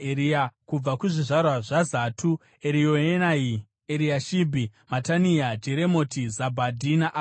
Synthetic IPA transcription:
eɾiakub͡vakuʐiʐarwaʐazatʰu | eɾijoenai | eɾiaʃibʱimataniad͡ʒeɾemo̞tizabʱadʱinaʔ

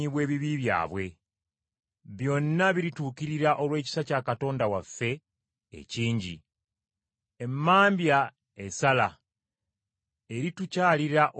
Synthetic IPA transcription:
iβwe̞ːβiβiβja̰ːβwe̞ | βjo̞nːaβiɾituːkiɾiɾaʔo̞lwe̞ːci̥sacaːkato̞ːndawafːe̞̰ː | ciːɲɟḭ | e̞mːaːmbja | esala | eɾitucaːliɾaʔ

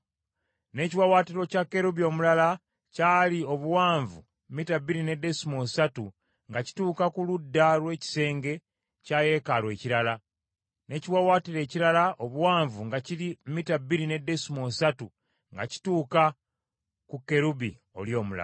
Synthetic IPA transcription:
ne̞ciwawaːtiɾo̞cakːe̞ɾuβio̞ːmulala | caːlio̞βuwaːɱvṵ | mmitabːiɾine̞de̞simosatu | ŋɡaci̥tuːkakuludːalwe̞ːci̥se̞ːŋɡe̞ | caːje̞kalwe̞ːciɾala | ne̞ːciwawaːtiɾe̞ːciɾalaʔo̞βuwaːɱvuŋɡacilimmitabːiɾinede̞simosatu | ŋɡa̰ci̥tuːka | kukːe̞ɾubi | o̞̰ljo̞ːmula̰

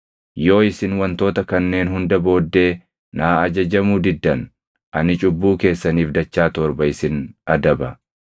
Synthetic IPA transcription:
jo̞ːɪsɪnwɐnt̪o̞ːt̪ɐkɐnːe̞ːnɦʊnd̪ɐbo̞ːd̪ːe̞ː | naːɐd͡ʒɐd͡ʒɐmuːd̪ɪd̪ːɐn | ʔɐnɪt͡ʃʼʊbːuːke̞ːsːɐniːfd̪ɐt͡ʃːaːt̪ɔɾbɐɪsɪnɐd̪ɐbɐ

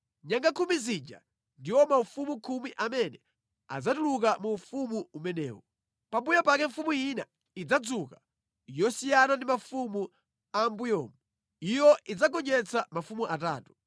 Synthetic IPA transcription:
ɲaŋɡakʰumizid͡ʒa̰ | ndiwɔmaufumukʰumiʔamɛnɛ | a̰d͡zatuluk̬amuːfumuumɛnɛ̰ːwɔ | pambujapakɛɱfumujina | id͡zad͡zuka | jɔsijanandimafumu | ambujɔːmu | ijɔʔid͡zaɡɔɲɛt͡samafumuʔata̰ːtu̥

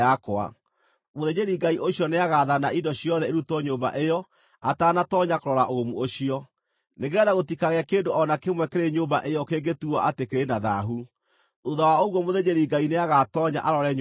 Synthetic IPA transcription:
akwa̰ | moðeɲeɾiɡaiʔoɕjɔneaɣaðanaidɔɕiɔðɛeɾutɔɲoːmba̰ʔejɔ | ataːnatɔɲakoɾɔɾaʔoɣomuoɕiɔ | neɣeɛðaɣotikaɣeakeːndoʔɔnakemwɛkeɾeɲoːmba̰ʔejɔkeŋɡetuɔʔatekeɾenaða̰ɦu | uðawaoɣwɔmoðeɲeɾiɡaineaɣatɔɲa̰ʔaɾɔɾɛɲ

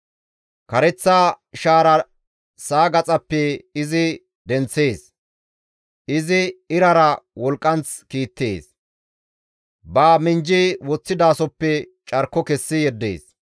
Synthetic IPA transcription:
kɐɾɛt͡sːaː | ʃaːɾɐ | saːɡɐt͡sʼɐpːɛɪzɪ | d̪ɛnt͡sːe̞ːs | ʔɪzɪɪɾɐɾɐwɔlkʼːɐnt͡skiːt̪ːeːs | baːmɪnd͡ʒiwɔt͡sːɪd̪aːsɔpːɛ | t͡ʃʼɐɾkːɔkɛsːɪjɛd̪ːḛːs

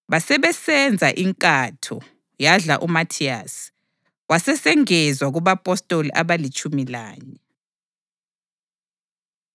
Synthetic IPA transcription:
βasɛβɛsɛnd͡zʱaʔiŋkʼatʰɔ̰ | jaɮaʔumatʰia̰s | wasɛsɛŋɛzwaɣuβapʼɔstʼoliʔaβalit͡ʃʼumila̰ːɲɛ

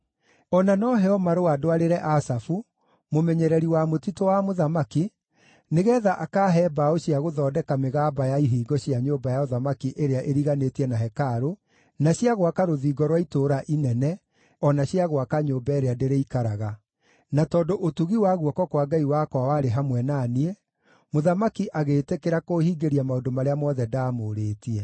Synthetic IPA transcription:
ɔnanɔɦɛɔmaɾoadoaɾeɾɛʔasafu | momɛɲɛɾɛɾiwamotitowamoðamaki | neɣɛːðaʔakaːɦɛːbaoɕiaɣoðɔːdɛkameɣaːbajaiɦiːɡɔɕjaɲoːmbajaɔðamakiʔeɾeaʔeɾiɣanetiɛnaɦɛkaɾo | naɕjaɣwakaɾoðiːɡɔɾwaitoːɾaʔinɛnɛ | ɔnaɕiaɣwakaɲoːmbaeɾeadeɾeikaɾaɣa | natɔːndoʔotuɣiwaɣuɔkɔkwaɡaiwakwawaɾeɦamwɛnaniɛ | moðamakiʔaɣeːtekeɾakohiːɡeɾiamaodomaɾeamɔːðɛdaːmoːɾeːtiɛ

